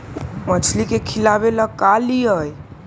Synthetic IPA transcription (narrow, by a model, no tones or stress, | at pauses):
mət͡ʃʰlikekʰilabeləkaliəj